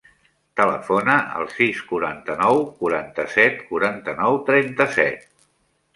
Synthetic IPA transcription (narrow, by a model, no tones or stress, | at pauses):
t̪ələfonəʔə̰lˠsiskuɾant̪ənɔwkuɾant̪əsɛt̪kuɾant̪ənɔwt̪ɾɛnt̪əsɛ̰t̪̚